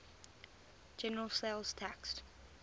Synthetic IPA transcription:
d͡ʒɛnəɹəlˠselˠz̥tʰækst

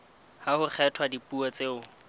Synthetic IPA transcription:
hahʊk͡xʰɛtʰwadipʼuɔt͡sʼeːʊ

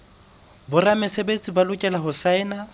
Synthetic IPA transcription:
bʊramɪsebet͡sʼibalʊkʼɛlaɦʊsaɪna

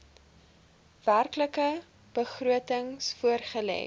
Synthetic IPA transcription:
værkləkə | b̥əχruətəŋsfuərχəlɛ̰ː

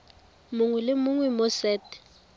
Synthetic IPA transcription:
mʊŋɛlɪmʊŋwɛmɔsɛːtɛ̥

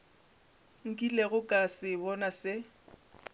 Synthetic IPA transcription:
ŋ̩kʼileɣʊkʼasɪbɔnasɪ

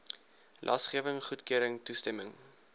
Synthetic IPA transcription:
lʔɑ̰sχiəvəŋχutkiəɾəŋtustɛməŋ

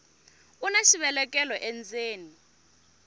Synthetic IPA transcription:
unaʃiβɛlɛkʼɛlɔʔɛnd͡zeːni

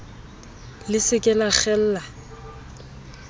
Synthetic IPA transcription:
lɪsɪkʼɛlaχɛl̩ːla

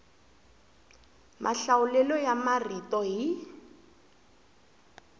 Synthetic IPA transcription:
mʔaɬaʊlɛlɔjamaritɔɦi

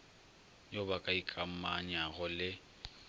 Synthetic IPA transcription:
jobakʼaikʼam̩maɲaɣʊlɪ

